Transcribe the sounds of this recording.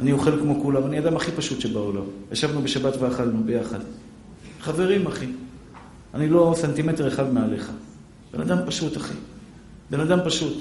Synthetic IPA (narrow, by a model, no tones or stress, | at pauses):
anioχe̞lkmo̞kulamaniad̪amaχipaʃut̪ʃebaolamjaʃavnube̞ʃabat̪veaχalnubejaχa̰d̪ | χave̞ʁimaχi | anilo̞sent̪ime̞te̞ʁeχad̪meale̞χa | b̥e̞nad̪ampaʃut̪aχḭ | be̞nad̪ampaʃut̪